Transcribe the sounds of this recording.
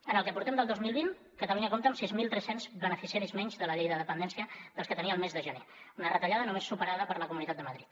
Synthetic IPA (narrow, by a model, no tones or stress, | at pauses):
ənəlˠkəpuɾt̪ɛmd̪əlˠdozmilˠβin | kət̪əluɲəkomt̪əmsizmilˠt̪ɾɛsenzβənəfisjɛɾizmɛɲzðələʎejðəðəpənd̪ɛnsiəðəlˠskət̪əniəlˠmezðəʒəneunərət̪əʎaðənumesːupəɾaðəpəɾləkumunit̪at̪̚d̪əməðɾit̪